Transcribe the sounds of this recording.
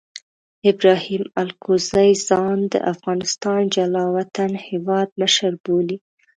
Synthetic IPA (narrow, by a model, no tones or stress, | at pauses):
ɪbɾɑhimalkozajzɑnd̪ə̰ʔafɣɑnɪst̪ɑnd͡ʒalɑwat̪anhewɑd̪̚məʃaɾboli